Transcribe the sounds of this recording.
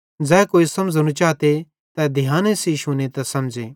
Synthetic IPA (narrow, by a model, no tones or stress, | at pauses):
d͡zɛːkoːisɐmd͡zñũt͡ʃaːt̪e | t̪ɛd̪ʱɪjãːnesiʃunet̪ɛsɐmd͡ʒe